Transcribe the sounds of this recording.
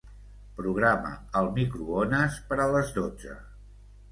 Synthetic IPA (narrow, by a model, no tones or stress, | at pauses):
pɾuɣ̞ɾamə̰əlˠmikɾuonəspəɾələzd̪od͡zə̰